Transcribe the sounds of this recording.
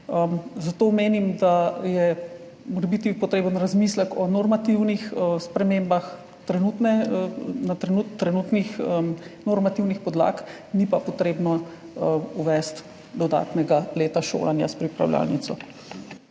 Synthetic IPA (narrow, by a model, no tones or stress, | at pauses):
əzat̪oːmeːnimd̪ajɛ | moɾɛbit̪ipɔt̪ɾeːbənɾazmiːsləkɔnɔɾmat̪iwnixəspɾɛmeːmbax | t̪ɾɛnut̪nɛnat̪ɾɛnut̪ːɾɛnut̪nixənɔɾmat̪iwnixpɔd̪la̰ːk | nipapɔt̪ɾeːbnɔ | əuʋɛst̪ | d̪ɔd̪a̰ːt̪nɛɡaleːt̪aʃo̰ːlanjaspɾipɾa̰wlja̰lnḭt̪sɔ